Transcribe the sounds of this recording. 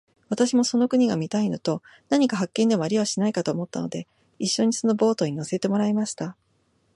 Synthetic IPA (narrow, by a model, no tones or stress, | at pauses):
βat̪aɕimo̞so̞no̞kɯ̟ɲ̟iɡamʲit̪aino̞t̪o̞ | naɲ̟ikaɦakːẽ̞nd̪e̞moaɾʲiβaɕinaikat̪o̞ːmo̞t̪ːa̰no̞̰d̪e̞ | iɕːo̞ɲ̟iso̞no̞bo̞ːt̪o̞ɲ̟ino̞se̞t̪e̞mo̞ɾaimaɕi̥t̪a